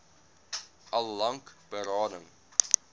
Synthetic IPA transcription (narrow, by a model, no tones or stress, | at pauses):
ʔɐlːɐŋkb̥əɾɑːnəŋ